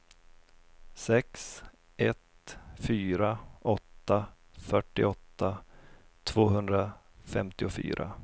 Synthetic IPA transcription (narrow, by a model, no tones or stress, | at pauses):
sɛks | ʔɛt̪fyːɾaʔɔt̪ːa | fœʈːɪ̰ɔt̪ːa | t̪ʰv̥oːɦɵnd̪ɾa | fɛmt̪ɪʊfy̰ːɾʔa̰